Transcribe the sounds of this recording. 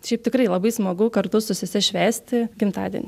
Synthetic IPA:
ʃʲɛɪp̚t̪ʲɪkɾɐɪlˠɐbɐɪsmoːɡʊkɐrt̪ʊsʊsʲɪsʲɛʃʲʋʲæːsʲt̪ʲɪɡʲɪmt̪ɑ̰ːd̪ʲḭɛ̰nʲɪ

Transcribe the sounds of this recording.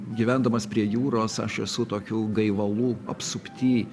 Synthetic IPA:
ɡʲiʋʲæˑnd̪ɐmɐspʲɾʲiɛjuːɾoːsɐ̰ʃɛsʊt̪oːkʲuːɡɐɪʋɐlˠuːɐ̰psʊpʲt̪ʲiː

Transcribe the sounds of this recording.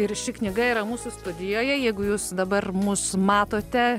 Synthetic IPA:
ɪɾʃʲɪknʲɪɡɐiːɾɐmuːsʊst̪ʊd̪ʲɪjoːjɛjɛɪɡʊjuːsd̪ɐbɐrmuːsmɑːt̪oːt̪ʲɛ

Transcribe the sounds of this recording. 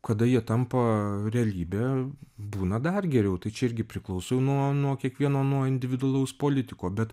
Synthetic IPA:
kɐd̪ɐjiɛt̪ɐmpɐɾʲɛɐlʲiːbʲeːbuːnɐd̪ɐrɡʲɛɾʲɛʊt̪ɐɪt͡ʃʲɛɪɾʲɡʲɪpʲɾʲɪklˠɐʊsojɛʊnuɔnuɔkʲiɛkʋʲiɛnoːnuɔɪnʲd̪ʲɪʋʲɪd̪ʊɐlˠɐʊspoːlʲɪt̪ʲɪkoːbʲɛt̪

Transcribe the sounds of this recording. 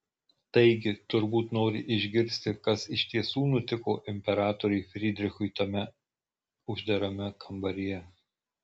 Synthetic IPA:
t̪ɐɪɡʲɪt̪ʊɾbuːt̪noːɾʲɪʔɪʒʲɡʲɪɾʲsʲt̪ʲɪkɐsɪʃʲt̪ʲiɛsuːnʊt̪ʲɪkoːʔɪmʲpʲɛɾɑːt̪ɔɾʲʊɪfʲɾʲid̪ʲɾʲɪxʊɪt̪ɐmʲɛ | ʊʒʲd̪ɐɾɐmʲɛkʰɐmbɐɾʲɪjɛ

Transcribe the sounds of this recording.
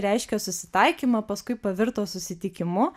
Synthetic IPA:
ɾʲɛɪʃʲkʲɛsʊsʲɪt̪ɐɪkʲiːmɐpɐskʊɪpɐʋʲɪɾt̪oːsʊsʲɪt̪ʲɪkʲɪmʊ

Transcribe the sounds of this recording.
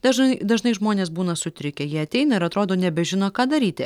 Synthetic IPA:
d̪ɐʒɐɪd̪ɐʒnɐɪʒmoːnʲeːsbuːnɐsʊt̪ʲɾʲɪkʲɛjiɛɐt̪ʲɛɪnɐɪɾɐt̪ɾoːd̪oːnʲɛbʲɛʒʲɪnoːkɑːd̪ɐɾʲiːt̪ʲɪ

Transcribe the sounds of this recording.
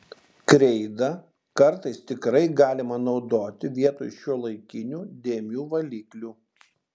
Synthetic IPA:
kɾʲɛɪd̪ɐ | kɐɾt̪ɐɪst̪ʲɪkɾɐɪɡɑːlʲɪmɐnɒʊd̪oːt̪ʲɪʋʲiɛt̪o̰ːjʃʲuɔlˠɐɪkʲɪnʲuːd̪ʲeːmʲuːʋɐlʲiːklʲuː

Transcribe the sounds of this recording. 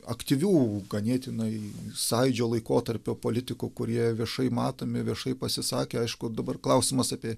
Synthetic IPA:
ɐ̰kt̪ʲiʋʲuːɡɐnʲeːt̪ʲɪnɐɪsɐɪd͡ʒʲoːlˠɐɪkoːt̪ɐɾʲpʲoːpoːlʲɪt̪ʲɪkʊkʊɾʲiɛʋʲiɛʃɐɪmɑːt̪oːmʲɪʋʲiɛʃɐɪpɐsʲɪsɑːkʲeːɐɪʃkʊd̪ɐbɐrklˠɐʊsʲɪmɐsɑpʲiɛ

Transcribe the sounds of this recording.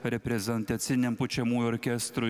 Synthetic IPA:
ɾʲepʲɾʲezʲɛnt̪at̪sʲinʲempʊt͡ʃʲɛmujɔrʲkʲɛst̪ɾʊ

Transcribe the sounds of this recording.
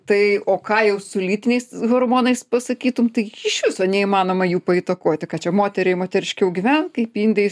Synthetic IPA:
t̪ɐɪoːkɑːjɛʊsʊlʲiːt̪ʲɪnʲɛɪsɣormoːnɐɪspɐsɐkʲiːt̪ʊmt̪ɐɪɪʃʲʋʲɪsoːnʲɛiːmɑːnoːmɐjuːpɐit̪ɐkoːt̪ʲɪkɑːt͡ʃʲɛmoːt̪ʲɛɾʲɛɪmoːt̪ʲɛɾʲɪʃʲkʲɛʊɡʲiʋʲɛnkɐɪpiːnʲd̪ʲɛj

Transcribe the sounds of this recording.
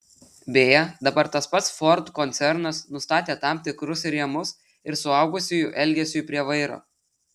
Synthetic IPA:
bʲeːjɛd̪ɐbɐɾt̪ɐspɐt̪sfɔɾt̪kɔnʲt̪sʲɛɾnɐsnʊst̪ɑːt̪ʲeːt̪ɑˑmt̪ʲɪkɾʊsɾʲiɛmʊs | ɪɾsʊɐˑʊɡʊsʲʊjʊʔɛlʲɡʲɛsʲʊjpʲɾʲiɛʋɐɪɾo̰ː

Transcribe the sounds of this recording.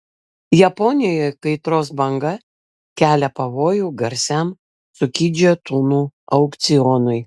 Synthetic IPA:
jɛpɔnʲɪjokɐɪt̪ɾoːsbɐŋɡɐ | kʲæːlʲɛpɐʋoːjuːɡɐɾʲsʲæm | sʊkʲiːd͡ʒʲot̪uːnuːɐʊkt̪sʲɪjɔnʊɪ

